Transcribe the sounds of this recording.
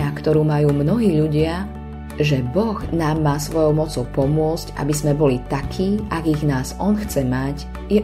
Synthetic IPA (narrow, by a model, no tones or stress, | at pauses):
akt̪ɔɾuːmajuːmnɔɦiːʎuɟɪa | ʒɛbɔɣnaːmːaːsʋɔjɔʊmɔt͡sɔʊpɔmʊɔt͡sca̰bizmɛbɔlit̪akʰiːʔaɡiɣnaːzɔnxt͡sɛmac | jɛ